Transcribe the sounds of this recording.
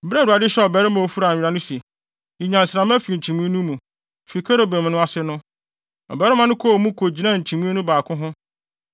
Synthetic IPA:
m̩˨bɾɛ˦˨u˨a˨dɪ˦ɕɛ˦ɔ˨bɛ˦ɾɪ˦mã˨o˨fu˦ɾa˨ɾa˨˦nʊ̃˦si˨ | ji˨ɲã˨n̩˨sɾã˨m˦ɛ̃˦fi˨t͡ɕʰĩ˨mũ˦nũ˦mũ˨ | fi˨kʰa˦ɾo˦bẽ˨m˨nʊ̃˦a˨sɪ˦nʊ̃˦ | ɔ̰˨bɛ˨˦ɾɪ˦mã˨nʊ̃˦kʰo˦˨mũ˦kʰo˨d͡ʑi˨nã˦˨ɲ̩˨t͡ɕʰĩ˨mũ˦nũ˦baː˨kʰʊ̃˦ɦʊ̃˦

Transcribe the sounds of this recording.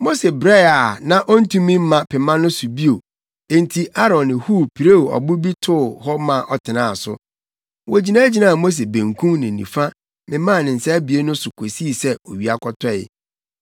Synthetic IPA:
mo˦se˨bɾɛ˦˨a˨nã˨ʔɔ˦n̩˦tʰũ˦mĩ˦m̩˦mã˨pʰɛ˨mã˦nʊ̃˦sʊ˨bi˦o˨ | ẽ˦n˦tʰi˨ʔa˦ɾɔ̃˨nːɪ̃˨hu˦˨pʰi˨ɾe˦˨ɔ̰˨bʊ˦bi˦tʰʊ˦˨hɔ˦mã˦˨ʔɔ˨tʰɪ˨nã˨sʊ̰˦ | wɔ˨d͡ʑi˨nã˦d͡ʑi˨nã˦˨a˨mo˦s̬e˨bẽ˨ŋkʰũ˦mnɪ̃˨nḭ̃˨fa˦ | mɪ̃˨mã˦˨nɪ̃˨n̩˨sa˦æ˦bi˨e˦nʊ̃˦sʊ˨kʰo˨si˦˨sɛ˦o˨ɥi˨a˨kʰɔ˦tʰɔ˦˨ɪ̰˨

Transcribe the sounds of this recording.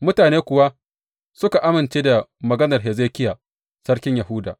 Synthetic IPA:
mʊ˦taː˨neː˦kʷʊ˨wa˦ | sʊ˦ka˨ʔa˦mɪ˨nt͡ʃeː˦da˨mɐ˨ɡɐ˦nɐ˨rɦɛ˨ze˦kʲɪ˦jaː˨ | sɐ˦rkʲɪ˦ɲja˨hʊ˦da̰ː˨

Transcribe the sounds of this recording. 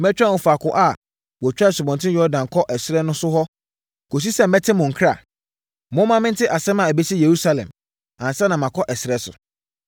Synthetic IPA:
mɛ˦t͡ɕᶣã˦˨ʊ̃˨fa˨kʊ˨ʔa˨ | wɔ˨t͡ɕᶣa˦˨sʊ˨bɔ̃˨ntʰɪ̃˦jɔ˦dã˨kʰɔ˦ʔɛ˨sɾɛ˦nʊ̃˦sʊ˦hɔ˦ | ko˨s̬i˦sɛ˦m̩˦ɛ˦tʰɪ̃˦mʊ̃˨ŋ̩˨kʰɾa̰˨ | mʊ̃˦mã˦mɪ̃˦n̩˦tɪ˦ʔa˨sɛ̃˦mã˨æ˨be˦si˦je˨ɾu˦sa˦lɛ̰̃˨m | ã˨n̩˨sɛ˦nã˨mã˨kʰɔ˦ʔɛ˨sɛ˦sʊ̰˨

